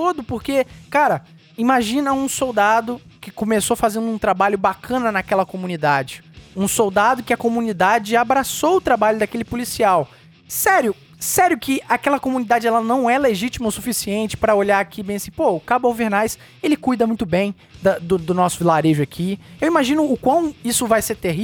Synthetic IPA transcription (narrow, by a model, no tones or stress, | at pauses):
t̪od̪ʊpoɾkekaɾɐ | imaʒĩnɐũsowd̪ad̪ʊ | kɪkõmesofazẽnd̪ʊũt̪ɾabaʎʊbakʰɐ̃nɐnakɛlɐkomũnid̪ad͡ʒɪũsowd̪ad̪ʊkɪɐkomũnid̪ad͡ʒɪabɾasoʊt̪ɾabaʎʊd̪akelɪpʊlisiaw | sɛɾjʊ | sɛɾjʊkɪakɛlɐkomũnid̪ad͡ʒɪɛlɐnɐ̃w̃ɛleʒit͡ʃimɐosufisiẽnt͡ʃɪ̥pɾɐoʎaɾakibẽsĩpokabawveɾnajs | elɪkujd̪ɐmũj̃t̪ʊbẽj̃ | d̪ɐd̪ʊd̪ʊnɔsʊlaɾeʒʊakʰiewimaʒĩnʊːkwɐ̃w̃isʊvajseɾt̪eɦi